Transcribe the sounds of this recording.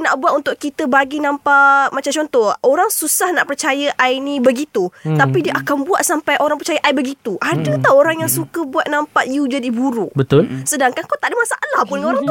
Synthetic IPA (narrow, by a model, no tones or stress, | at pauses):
naʔbuat̪unt̪ʊʔkit̪əbaɡinãmpaʔmat͡ʃamt͡ʃɔnt̪ɔhʔoɾaŋsusahna̰ʔpərt͡ʃajaʔajnĩbəɡit̪ut̪apidiəʔakanbuat̪̚sampajʔoɾãŋpərt͡ʃajəʔajbəɡit̪uʔadət̪aoɾaŋjaŋsukəbuat̪̚nampaʔjud͡ʒadibuɾuʔbət̪ʊlsədaŋkankawt̪aʔdəmasaʔalahpʊndəoɾaŋ